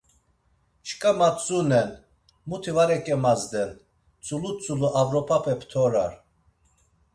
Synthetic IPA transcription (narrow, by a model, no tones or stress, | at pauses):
t͡ʃkʼamat͡sʼunɛn | mut̪ʰivaɾɛkʼɛmazd̪ɛn | t͡sʼulut͡sʼuluʔavɾɔpʰapʰɛpʰt̪ʰɔɾaɾ